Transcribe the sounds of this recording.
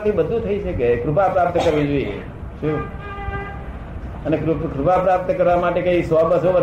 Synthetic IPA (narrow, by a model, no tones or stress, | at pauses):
t̪ʰibəd̪ʱũt̪ʰəiʃʰəkekɾupapɾap̚t̪əkəɾʋĩd͡ʒoiḛ | ʃu | ənekɾukɾupapɾap̚t̪əkəɾʋamaʈekeisʋɔbəsoʋə